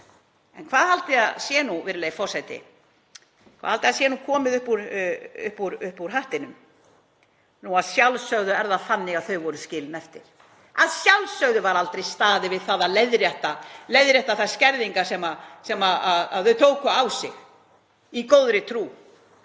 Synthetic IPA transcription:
ɛ̰nkʰvaːðhalt̪ɪaðsjɛnuvɪɾɪlejfɔrsɛjt̪ɪ̰ | kʰa̰ðhalt̪ɪasjɛnukʰɔːmɪðʏhpuɾʏ̰hpuɾʏhpuɾ̥ɦaht̪ɪnʏm | nuaðsjawlsœɣðʏɛɾðaθanːɪɣaðθœɥvɔɾʏscɪːlnɛft̪ɪɾ̥ | aðsjawlsœɣðʏvaɾalt̪ɾejst̪aːðɪvɪðθaːðaleðɾjɛht̪alejðɾjɛht̪aθascɛɾðiŋkasɛmasɛmaaðaðθœɥt̪ʰoːwkʏawsɪ̰ɣ | ikoːwðɾɪt̪ʰɾuː

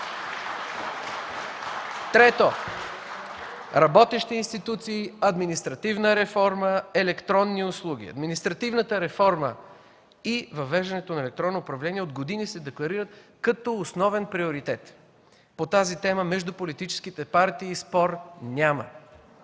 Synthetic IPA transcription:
t̪ɾɛt̪o | ɾɐbɔt̪ɛʃt̪iːnst̪it̪ut̪siːɐd̪minist̪ɾɐt̪ivnəɾɛfɔɾməɛlɛkt̪ɾɔnːiʊslˠuɡ̟ʲḭɐ̰d̪minist̪ɾɐt̪ivnət̪əɾɛfɔɾmə | ivɐvɛʒd̪ɐnɛt̪onɐɛlɛk̚t̪ɾɔnːoːpɾɐvlɛniɛod̪ɡod̪inisɛd̪ɛklˠɐɾiɾət̪kɐt̪ɔʊsnɔvɛnpɾioɾit̪ɛt̪ | pot̪azit̪ɛməmɛʒd̪upolit̪it͡ʃɛ̥sk̟it̪ɛpaɾt̪iːspɔɾnʲamə̰

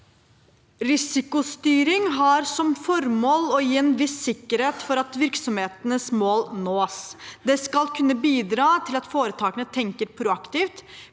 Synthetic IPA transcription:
ɾɪsɪkʊst̪yːɾɪŋɦɑɾsɔmfɔɾmoːlɔjiːɛːnʋɪsːɪkːəɾheːt̪fɔɾɑt̪ʋɪɾksɔmheːt̪ənəsmoːlnoːsd̪ɛskɑlkʰʉnːəbiːd̪ɾɑːt̪ʰɪlɑt̪foːɾət̪ʰɑːkənət̪ʰɛŋkəɾpʰɾʊɑkt̪iːft̪

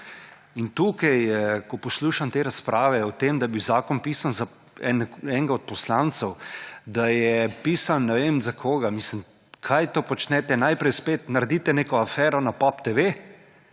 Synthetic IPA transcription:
int̪uːkɛjkɔpɔsluːʃamt̪eːɾaspɾʔaːʋɛɔt̪emd̪ajbiwzaːkɔnpiːsanza | ɛnɛŋɡaɔt̪̚pɔslant̪sɛwd̪ajɛpiːsanːɛʋeːmzakʰoːɡamislim | kʰajt̪oːpɔt͡ʃnɛt̪ɛnaːjpɾɛjspeːt̪naɾd̪it̪ɛneːkɔafɛːɾɔnapɔpt̪eʋe

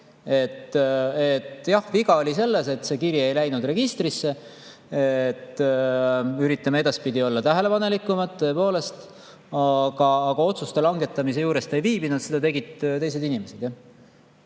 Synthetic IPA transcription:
e̞t̪ːet̪ːˑjɑhviɡ̥ɑolʲise̞lːe̞se̞t̪se̞kirje̞jlæjnud̪re̞ɡ̥ist̪risːe̞ | et̪ː | yɾit̪ːˑɑmeed̪̥ɑspid̪io̞lːɑt̪æɦe̞le̞pɑne̞likːˑumɑd̪̚t̪ːø̞e̞po̞ːle̞st̪ | ɑɡ̥ɑːɡ̥ɑo̞t̪sust̪e̞lɑŋɡe̞t̪ːˑɑmis̬e̞juːɾe̞st̪e̞jviːbinɑt̪sed̪ɑt̪e̞ɡid̪̥t̪e̞js̬e̞d̪inime̞se̞d̪ja

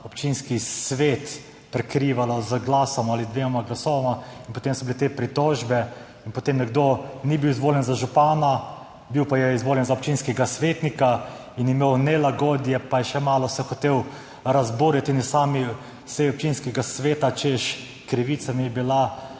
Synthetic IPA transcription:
ɔpt͡ʃinskisʋeːt̪ | pɾɛkɾiːʋalazɡlaːsɔmaːlid̪ʋeːmaɡlasɔːʋamainpɔt̪emsɔbilet̪epɾit̪ɔʒbɛ | inpɔt̪emnɛɡd̪onibiwizʋoːljɛnzaʒupaːna | biwpajɛizʋoːljɛnzaɔpt͡ʃinskɛɡasʋeːt̪nika | injɛmeːwnɛlaɡɔːd̪jɛpajɛʃɛmaːlɔsɛxɔt̪eːw | ɾazbuɾit̪injɛsaːmi | sɛjɔp̚t͡ʃinskɛɡasʋeːt̪at͡ʃeʃ | kɾiʋiːt̪samiɛbila

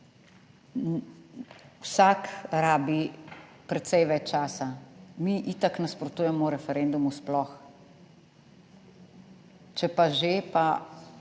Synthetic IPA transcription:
wsaːkɾaːbipɾɛt̪sɛjʋɛt͡ʃt͡ʃaːsamiʔit̪aknaspɾɔt̪uːjɛmɔɾɛfɛɾɛːnd̪umusplɔx | t͡ʃɛpaʒepa

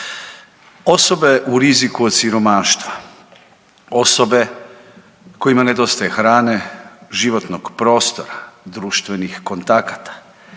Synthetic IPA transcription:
o̞so̞be̞ʔuɾizikuot̪t̪siɾo̞maːʃt̪ʋa | o̞so̞be̞ | ko̞imane̞d̪o̞st̪ajexɾaːneʒiʋo̞t̪noɡpɾo̞ːst̪o̞ɾad̪ɾuːʃt̪ʋe̞nixko̞nt̪akat̪ḁ

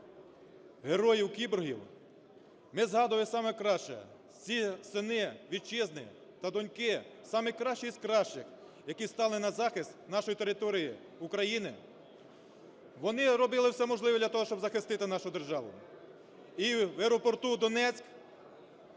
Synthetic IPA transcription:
ɦeɾɔjiwkʲibʊrɦʲiw | mɪzɦɑd̪ʊʋlɪsɑmɛkɾɑʃt͡ʃɛ̰ | t͡sʲisenɪʋʲid̪̚t͡ʃɪznɪ̰ | t̪ɐd̪ɔnʲkɪsɑmɪkɾɑʃt͡ʃisʲkɾɑʃt͡ʃɪx | jɐkʲist̪ɑlˠɪnɐzɑxɪst̪nɑʃɔjit̪eɾɪt̪ɔɾʲiji | ukɾɐjinɪ | ʋɔnɪɾɔbɪlˠɪwsɛmɔʒlˠɪʋɔd̪ʲlʲɐt̪ɔɦɔʃt͡ʃɔbzɐxɪst̪ɪt̪ɪnɑʃʊd̪erʒɑʋʊ̰ | iweɾɔpɔrt̪ud̪ɔnɛt͡sʲk

